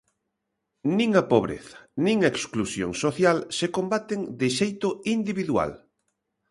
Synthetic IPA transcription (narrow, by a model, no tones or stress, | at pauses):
nĩŋapoβɾḛθɐ̥nĩŋaeksklusjo̰ŋsoθjalsekombat̪eŋd̪ɪʃejt̪oind̪iβiðwa̰l